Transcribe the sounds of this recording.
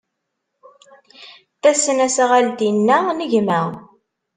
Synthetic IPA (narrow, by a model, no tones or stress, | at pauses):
θæsːənæsæʁæld̪inːænəʝmæ